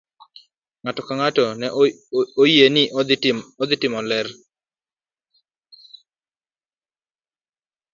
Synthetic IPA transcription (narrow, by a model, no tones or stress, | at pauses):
ŋatɔkaŋatɔnɛojenɪʔɔd̪ɔd̪ɪtɪmɔlɛr